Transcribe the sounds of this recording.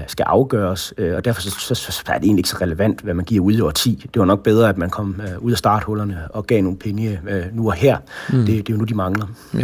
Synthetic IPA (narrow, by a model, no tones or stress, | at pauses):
sɡ̥æʔɑ̈ʊɡ̥ɶːɐsɒ̽d̥æɐfɒ̽ssɒæɐd̥ee̝̰nlieɡ̥sɒʁɛləʋæn̰d̥ʋæmænɡ̥iɐ̰uð̞ˠiɒ̰t͡sʰḭːd̥e̝ʋɑnɒ̽ɡ̥̚b̥eð̞ˠʁɐæd̥mænkʰɒ̽m̰uðˠæsd̥ɑ̈ːd̥hɔ̽lɐnəɒ̽ɡ̥ɛ̰ːno̝ːnpʰeŋjənuɒhæɐ̰d̥e̝d̥e̝jo̝nud̥imɑ̈ŋlɐ